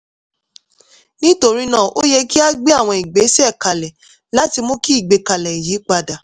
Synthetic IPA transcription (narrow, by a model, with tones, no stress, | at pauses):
nĩ˦to˧ɾi˦nãː˦˨ʔo˦jɛ˧ki˦a˦ɡ͡be˦a˦˨w̃ɔ̃˧i˨ɡ͡be˨˦sɛ˦˨ka˨lɛ˨ | la˦ti˧mõ˦ki˦i˦˨ɡ͡be˧ka˨lɛ˨i˨ji˨˦k͡pa˧da˨